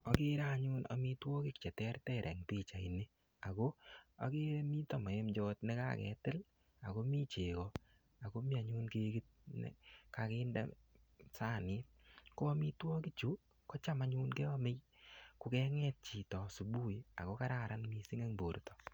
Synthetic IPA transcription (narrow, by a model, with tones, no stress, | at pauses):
ɔ˨kɪ˦ɾaː˦˨ɲʊ˦nɔ̰˨mi˦twɔ˦kɪ˦kt͡ʃɛ˨tɛ˦ɾtɛ˦˨ɾʔɛ̰˨ŋti˦˨t͡ʃa˨i˨ne˦ | a˨ko˦a̰˨ke˦mi˦tɔ˨mɔ˨e˦md͡ʒɔ˦tnɛ˦ka̰˦kɛ̰˨tɪ˦l | a˨ko˦mi˦t͡ʃe˨kɔ˨ | a˨ko˦mi˦a˨ɲʊ˦nke˦ɡi˦t̚nɛ̰˨ka˨ke˦ndɛ̰˦ | saː˦˨nɪ˦t̚ | kɔ˦mi˦twɔ˦ki˦t͡ʃu˦ | kɔ˦t͡ʃa˦ma˨˦ɲu˦nkɛ˦ɔ˦mɪ˦jkʊ˧kɛ˦ŋɛ˦t̚t͡ʃi˨tɔ˨su˨bu˦˨ja̰˨ko˦ka˦ɾaɾa˦nmi˦si˦ŋe˦ŋboː˨ɾtɔ̥˨